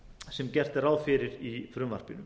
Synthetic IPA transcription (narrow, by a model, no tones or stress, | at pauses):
sɛmcɛr̥t̪ɛɾaːwfɪɾɪɾifɾʏmva̰r̥pɪnʏm